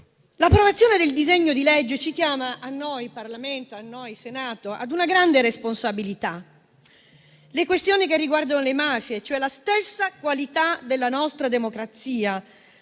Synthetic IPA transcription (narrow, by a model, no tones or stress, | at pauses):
lapːɾovat̪sːjoːned̪eld̪izeɲːod̪ilɛd͡ʒːet͡ʃikjaːmaʔanːojparlament̪oanːojsenaːt̪oʔa̰d̪unaɡɾand̪eɾesponsabilit̪a | lekwest̪joːnikerːiɡward̪anolemaːfjet͡ʃoɛlast̪esːakwalit̪ad̪elːanɔst̪ɾad̪emokɾat̪siːa